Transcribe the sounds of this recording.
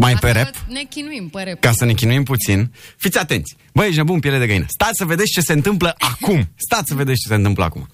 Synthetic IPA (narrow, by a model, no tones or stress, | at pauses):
majpeɾepnkinikasəne̞kʲinuimput̪sinfit̪sʲat̪e̞nt̪sʲ | bəet͡ʃnebunpjeled̪eɡəinə̰st̪at̪ʲsəved̪esʲt͡ʃe̞se̞ɨnt̪ɨmpləʔakumst̪at̪ʲsəve̞d̪esʲt͡ʃe̞se̞ɨnt̪ɨmplə̰a̰kṵma